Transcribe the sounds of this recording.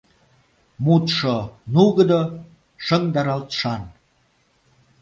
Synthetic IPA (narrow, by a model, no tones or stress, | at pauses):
mut̪ʃonuɣəd̪o | ʃəŋd̪ɑɾɑlt̪ʃɑn